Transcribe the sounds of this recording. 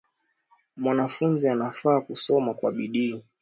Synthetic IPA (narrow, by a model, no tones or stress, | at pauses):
mwanafunzianafaːkusɔmakwaɓiɗiː